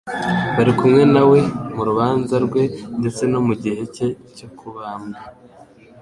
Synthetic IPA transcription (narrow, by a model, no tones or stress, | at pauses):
βaɾikumŋe̞nawe̞muɾuβaːnzaɾɡwe̞nde̞t͡se̞no̞muɟihe̞ce̞co̞kʰuβaːmŋa